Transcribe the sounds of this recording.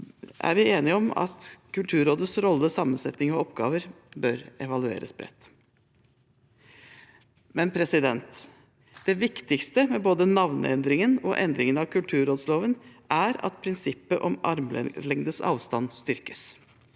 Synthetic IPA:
ʔæ̰ɾʋɪeːnɪɔmɑ̰t̪kʉlt̪ʰʉːɾoːd̪əsɾɔlːəsɑmːənsɛt̪nɪŋɔɔpɡɑ̰ːʋəɾ | bœɾɛʋɑlʉḛːɾə̰sbɾɛ̰t̪ː | mɛnpʰɾɛsɪd̪ɛnt̪ | d̪̥ɛʋɪkt̪ɪkst̪əmɛboːd̪ənɑʋnə̰ɛ̰nd̪ɾɪŋənɔʔɛnd̪ɾɪŋənɑʋkʰʉlt̪ʰʉːɾoːd̪sloːʋənʔæɾɑ̰t̪pʰɾɪnsɪpːəʔɔmɑɾmllɛŋd̪əsɑ̰ːʋst̪ɑnst̪ʏɾkə̥s

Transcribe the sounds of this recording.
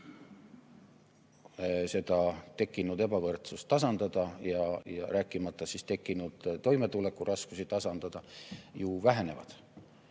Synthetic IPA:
se̞d̪̥ɑt̪e̞kːˑinud̪̥e̞b̥ɑvɤrt̪sust̪ːɑsɑnd̪̥ɑd̪̥ɑjɑjɑɾʔæːkːˑimɑt̪ˑːɑsist̪e̞kːˑinud̪̥t̪o̞jmet̪ule̞kːˑurʔɑskusit̪ɑsɑnd̪̥ɑd̪̥ɑjuvæɦe̞ne̞vɑ̰d̪̥

